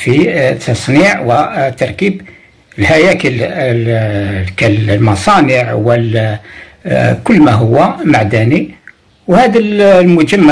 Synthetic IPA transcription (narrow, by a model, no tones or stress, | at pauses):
fit̪ʰːɑsˤniʕwət̪ːɑɾˤkib | əlhæjækəl | kællmɑsˤɑnəʕwəl | kʊlːmæɦʊwːæmaʕd̪æni | whæd̪ællmʊd͡ʒəmːa